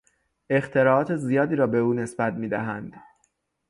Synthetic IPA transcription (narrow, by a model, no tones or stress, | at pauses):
e̞xt̪ʰe̞ɾɒːɒːt̪ʰe̞zijɒːd̪iːɾɒːbe̞uːne̞sbæt̪̚miːd̪æɦænd̪̥